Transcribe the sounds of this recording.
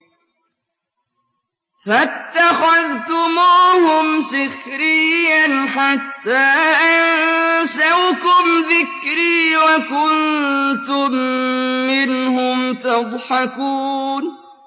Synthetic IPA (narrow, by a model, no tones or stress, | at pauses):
fat̪ːaxaðt̪ʊmuːhʊmsɪxɾɪjːanħat̪ːaːʔansawkʊmðɪkɾiːwakʊnt̪ʊmː | ɪnhʊmt̪aðˤħakuːn